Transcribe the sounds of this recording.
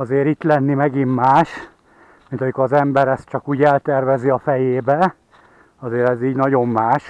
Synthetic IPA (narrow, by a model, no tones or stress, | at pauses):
ɒzeːɾit̪lɛnːimɛɡimːaːʃ | mint̪ɒmikoɾɒzɛmbɛɾɛst̪t͡ʃɒkuːɟɛlt̪ɛrvɛziɒfɛjeːbɛ | ɒzeːɾɛziːɟnɒɟo̞mːaːʃ